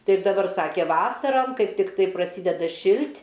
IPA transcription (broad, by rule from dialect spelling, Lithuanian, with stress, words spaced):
ˈtɐɪp dɐˈbɐr ˈsɑːkʲɛ ˈʋɑːsɐrɐm ˈkɐɪp tʲɪkˈtɐɪ prɐˈsʲiːdʲɛdɐ ˈʃʲɪlʲtʲ